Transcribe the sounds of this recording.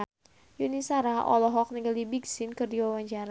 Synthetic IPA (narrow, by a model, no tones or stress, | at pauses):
junisaɾaʔɔ̰lɔɦɔk̚niɡaldibiɡsinkərdiwawaɲt͡ʃaɾa